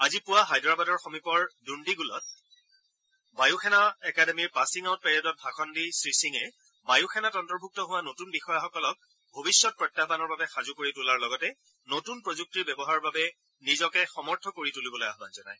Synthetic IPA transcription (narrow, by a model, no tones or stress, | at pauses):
azipʊwaɦajdɹabadɔɹxomipɔɹdundiɡulɔ̰t̚ | bajuxʰɛnaɛkademiɹpasiŋawt̚pɛɹiɔdɔt̚bʱakʰɔndisɹisiŋɛ | bajuxʰɛnatɔntɔɹbʱuk̚tɔɦʊwanotunbixɔjaxɔkɔlɔk̚ | bʱobisːɔt̚pɹɔtːabanɔɹbabɛxazukoɹitulaɹlɔɡɔtɛ | notunpɹozuk̚tiɹbɛbɔɦaɹɔbabɛ | nizɔkɛxɔmɔɹtʰɔkoɹitulibɔloja̰ɦbanzɔna̰j